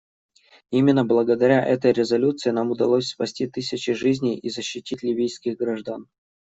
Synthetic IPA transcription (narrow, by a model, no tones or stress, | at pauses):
imʲɪnːəblˠəɡəd̪ɐɾʲaʔɛt̪əjɾʲɪzɐlʲut̪sɨɪnamʊd̪ɐlˠosʲspɐsʲtʲit̪ɨsʲɪt͡ɕɪʐɨzʲnʲɪjizəɕːɪtʲitʲlʲɪvʲijskʲɪɣɡɾaʐd̪an